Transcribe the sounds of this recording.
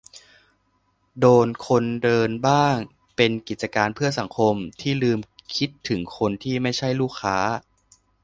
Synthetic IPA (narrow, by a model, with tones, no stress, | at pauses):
doː˧nkʰo˧ndɤː˧nbaː˥˩ŋ | pe˧nki˨˩t̪̚t͡ɕa˧kaː˧npʰɯ˥˩ɐsa˩˦ŋkʰo˧mt̪ʰiː˥˩lɯː˧mkʰi˦˥t̪ʰːɯ˩˦ŋkʰo˧nt̪ʰiː˥˩ma˥˩jt͡ɕʰa˥˩jluː˥˩kʰːaː˦˥